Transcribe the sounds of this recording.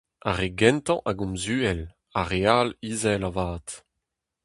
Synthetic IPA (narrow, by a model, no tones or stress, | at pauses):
a̰ʁeɡɛ̃nt̪ɑ̰̃ʔaɡɔ̃mzyːɛl | aʁealiːzɛlavaːt̪